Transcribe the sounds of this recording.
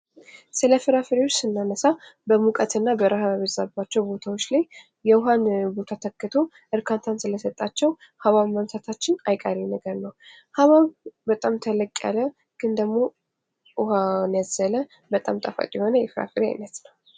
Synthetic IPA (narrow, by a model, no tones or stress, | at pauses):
sɨləfɨɾafɨɾiwot͡ʃːsɨnːanəsabəmukʼət̪ɨnːabəɾaɦaβəzabat͡ʃːɛwbo̞t̪ʰawot͡ʃːlaj | jɛʊɦanbo̞t̪ʰat̪ʰəkːɨt̪ʰo̞ | ʔɨɾkʰant̪ʰansɨləsət̪ʼːat͡ʃːɛw | haβaβmamt̪ʰat̪ʰat͡ʃːɪnajkʼaɾinəɡəɾnəw | haβaβbət̪ʼamt̪ʰələkʼːja̰lə | ɡ̥ɨnd̪əɡmo̞ | ʔʊhanjazːələ | bət̪ʼa̰mt̪ʼafa̰t̪ʼjɛho̞nəjɛfɨɾa̰fɨɾia̰jnət̪nəw